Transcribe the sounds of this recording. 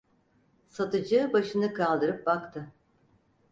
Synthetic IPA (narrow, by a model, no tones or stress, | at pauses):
sat̪ɯd͡ʒɯːbaʃɯnɯkʰalˠd̪ɯɾɯp̚bakt̪ʰɯ